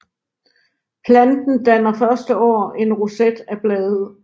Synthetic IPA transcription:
pʰlænd̥n̩d̥ænɐfɶɐsd̥əɒ̰ːe̝nʁosed̥æb̥lɛːð̩ˠ

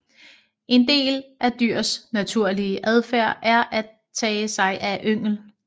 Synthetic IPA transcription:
ʔe̝nd̥e̝̰ːlʔæd̥yɐ̰snæt͡sʰuɐ̰liəʔæð̞ˠfæɐ̰ʔæɐʔæ | t͡sʰɛːsɑ̈ɪʔæʔøŋ̰l̩

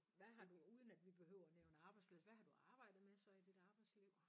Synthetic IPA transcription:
ʋæɦɑ̈d̥uuːð̞ˠən̩æd̥ʋib̥e̝ɦøʊ̰ɐneʊn̩ɑ̈ːb̥ɑ̈ɪdspʰlsʋæɦɑ̈d̥uɑ̈ːb̥ɑ̈ɪ̰d̥ð̩ˠmesɒ̽id̥id̥ɑ̈ːb̥ɑ̈ɪsleʊ̰

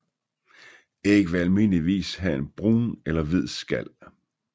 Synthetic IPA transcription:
eɡ̥əʋeælmin̰liʋḭːsɦæe̝nb̥ʁṵːnelɐʋið̞̰ˠsɡ̥æl̰

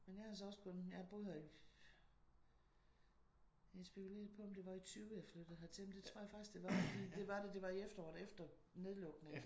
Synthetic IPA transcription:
menjɑhɑs̬ɒɒ̽sɡ̥ʰɔnjɑb̥oðˠhæ | sb̥e̝kʰule̝̰ːɐðˠpʰɒ̽ɒ̽md̥e̝ʋɑ̈it͡sʰyːʊəjɑ̈ɪflød̥ð̩ˠhæðˠt͡sʰe̝m̩d̥e̝t͡sʰʁo̝ɐ̰jɑfɑ̈ɡ̥isɡ̥d̥e̝ʋɑ̈fɒd̥ḭːd̥e̝ʋɑ̈ded̥e̝ʋɑ̈iefd̥ɐɒ̰ːd̩ˠefd̥ɐ | ne̝ð̞ˠlɔ̽ɡ̥neŋ

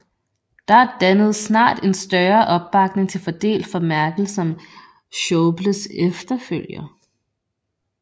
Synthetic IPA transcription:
d̥ɑ̈æɐd̥ænəð̞̩ˠsnɑ̰̈ːd̥e̝nsd̥ɶɐʔɒ̽b̥ːɑ̈ɡ̥ne̝ŋt͡sʰe̝lfɒ̽d̥e̝̰ːld̥fɒ̽mæɐɡ̥l̩sɒ̽m | ɕɔʊb̥ləsefd̥ɐføl̰jɐ

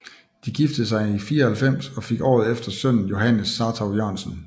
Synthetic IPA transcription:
d̥iɡ̥ifd̥ð̩ˠs̬ɑ̈ɪifiːɐɒhælfem̰sɒ̽fe̝ɡ̥ɒ̰ːð̞̩ˠefd̥ɐsœn̰n̩jo̝ɦænəsːɑ̈t͡sʰʁɑ̈ʊjøɐ̰nsən̩

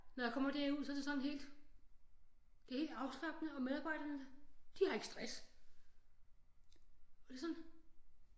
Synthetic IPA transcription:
nɒjakʰɒ̽m̰ɐd̥æɐuð̰ˠsɒ̽æɾ̥e̝sɒ̽n̩ɦe̝̰ːld̥ | d̥e̝he̝ːld̥ɑ̈ʊsl̥ɑ̈ɡ̥nəɒ̽með̞ˠɑ̈ːb̥ɑ̈ɪ̰ɾ̥ɐnəd̥ihɑ̈e̝ɡ̥əsd̥ʁas | ɒd̥e̝sɒ̽nn

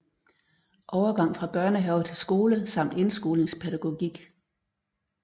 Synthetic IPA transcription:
ʔɒʊɐɡ̥ɑ̈ŋ̰fʁɑ̈b̥ɶɐ̰nəɦɛʊt͡sʰe̝lsɡ̥o̝ːləsɑ̈m̰d̥e̝nsɡ̥o̝ːleŋspʰeɾæɡ̥o̝ɡ̥iɡ̥

